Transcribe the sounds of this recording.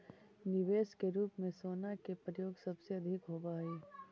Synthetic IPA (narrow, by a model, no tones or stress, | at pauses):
nɪʋeːskeɾuːpmẽsoːnakepɾəjoːɡsɐbseɐd̪ʱɪkɦoːbaːeː